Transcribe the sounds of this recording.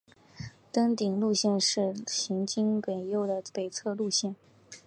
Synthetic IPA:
t̪ə˥ŋt̪i˨˩ŋlu˥˧ɕjɛ˥˧nʂɻ̩˥˩ɕi˧˥ŋt͡ɕi˥ŋke˨˩ɪjo˥˩ʊd̪ə˩pe˨˩ɪt͡sʰɤ˥˧lu˥˧ɕjɛ˥˩n

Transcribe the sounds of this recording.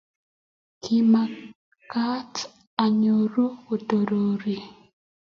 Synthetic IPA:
kʰi˨ma˨ | ka˦t | a˨ɲo˨ɾu˦wo˨to˨ɾo˨ɾi˨

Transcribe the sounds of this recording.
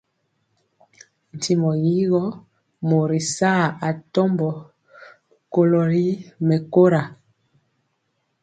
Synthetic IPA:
n̩˨ti˨mɔ˨ji˦ɣɔ˦ | mo˨ɾi˨sa˦˨a˨tɔ˦mbɔ˨ | ko˦lo˨li˦mɛ˨ko˦ɾa˨

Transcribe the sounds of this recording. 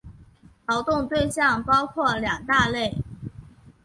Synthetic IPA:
lɑ˧˥ʊt̪ʊ˥˧ŋt̪we˥˧ɪɕjɑ˥˩ŋpɑ˥ʊkʰwɔ˥˩ljɑ˨˩ŋt̪a˥˧le˥˩ɪ

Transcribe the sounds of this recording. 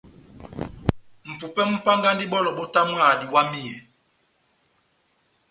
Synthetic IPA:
m̩˨pu˨pɛ˦m̩˦pa˦ŋɡa˦ndi˦ɓɔ˦lɔ˨ɓɔ˦ta˦mwa˦˨di˨wa˦mi˦ɛ˨

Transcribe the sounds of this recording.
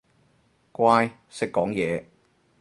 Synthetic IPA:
kwʷaː˧j | sɪ˨˧kːɔː˨˥ŋjɛː˨˧

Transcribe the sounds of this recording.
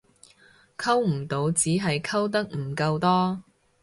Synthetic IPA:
kʰɐ˥wm̩˨˩t̪o˨˧wt͡siː˨˥ɦɐ˨jkʰɐ˥wt̪̬ɐ˥k̚m̩˨˩kɐ˧wt̪ɔː˥

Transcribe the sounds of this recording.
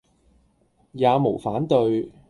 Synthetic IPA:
jaː˨˧mo˨˩wfaː˨˥nt̪ɵ˧ɥ

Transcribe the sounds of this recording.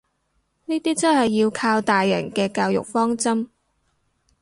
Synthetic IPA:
niː˥t̪iː˥t͡sɐ˥nhɐ˨jːiː˧wkʰaː˧wt̪aː˨jːɐ̰˨˩ŋkɛː˧kaː˧wjʊ̰˨k̚fɔː˥ŋt͡sɐ˥m

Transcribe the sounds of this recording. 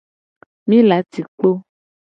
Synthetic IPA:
mĩ˦la˨˦t̪i˨k͡po˦

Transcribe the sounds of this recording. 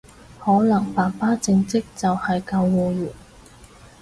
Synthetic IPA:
hɔː˨˥lɐ˨˩ŋpaː˨˩paː˥t͡sɪ˧ŋt͡sɪ˥k̚t͡sɐ˨whɐ˨jkɐ˧wwɔː˧juː˨˩n

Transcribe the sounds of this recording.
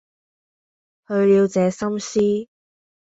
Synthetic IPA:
hɵ˨˧ɥliː˨˧wt͡sɛː˨˧sɐ˥msiː˥

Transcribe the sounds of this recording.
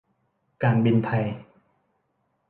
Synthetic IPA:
kaː˨˩nbi˧nt̪ʰa˧j

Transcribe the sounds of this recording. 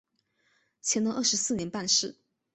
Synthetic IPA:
t͡ɕʰjɛ˧˥nd̪ə˧ʔə˥˩ʂ̩˧˥sɹ̩˥˩njɛ˧˥npa˥˧nʂɻ̩˥˩

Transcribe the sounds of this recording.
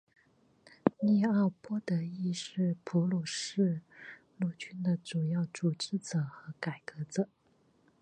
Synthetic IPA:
ni˥˧a˥˩pwɔ˥t̪ɤ˧˥i˥˧ʂɻ̩˥˩pʰu˧˥lɔ˨˩ʂɻ̩˥˧ | lu˥˩t͡ɕy˥nd̪ə˨ʈ͡ʂu˨˩jɑ˥˩ʊʈ͡ʂu˨˩ʈ͡ʂɻ̩˥t͡sɤ˨˩xɤ˧˥ka˨˩ɪkɤ˧˥t͡sɤ˨˩˦

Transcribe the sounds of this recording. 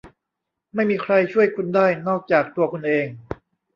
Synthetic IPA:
ma˥˩jmiː˧kʰɾa˧jt͡ɕʰu˥˩əjkʰu˧ndaː˥˩jnɔː˥˩k̚t͡ɕaː˨˩k̚t̪u˧ɐkʰu˧nʔeː˧ŋ

